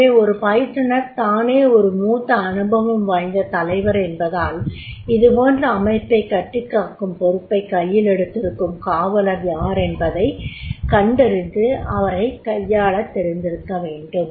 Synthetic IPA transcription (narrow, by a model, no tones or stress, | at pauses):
eːɔɾɯpɐjɪʈːɐɳɐɾt̪aːneːɔɾɯmuːt̪ːɐːnɯbɐʋɯmʋaːɪnd̪ɐt̪ɐlɐɪʋɐɾɛnbɐðaːlɪðɯpoːndrɐːmɐɪpːɐɪkːɐʈːɯkːaːkɯmpɔɾɯpːɐɪkːɐjːɪlɛɽɯt̪ːɪɾɯkːɯmkaːʋɐlɐɾjaːɾɛnbɐðɐɪkɐɳɖɪɾɯnd̪ɯɐʋɐɾɐɪkɐjːaːɭɐt̪ːɛɾɪnd̪ɪɾɯkːɐʋeːɳɖɯm